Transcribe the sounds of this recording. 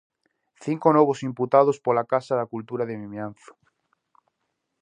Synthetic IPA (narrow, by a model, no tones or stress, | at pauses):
θiŋkonɔβosimput̪að̞ospolakasaðakult̪uɾaðemĩmjanθo̥